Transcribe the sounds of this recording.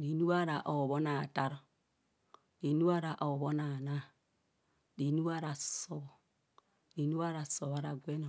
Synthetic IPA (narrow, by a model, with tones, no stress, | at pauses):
di˨nu˦wa˦ɾa˨ʔo˨βo˦na˨ta˦ɾ | ni˨nu˦a˦ɾa˨ʔo˨βo˦na˨na˦ | di˨nu˦wa˦ɾa˨so˦b | di˨nu˦wa˦ɾa˨so˨βa˦ɾa˨ɡʷe˦no˨